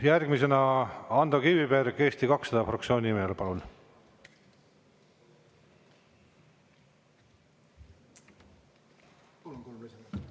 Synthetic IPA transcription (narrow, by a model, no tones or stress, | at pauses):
jærɡ̥mise̞nɑɑnd̪̥ɑkivipeːɾekːeːst̪ikɑksɑd̪̥ɑfrɑkt̪sioːnʲimeːlepɑlul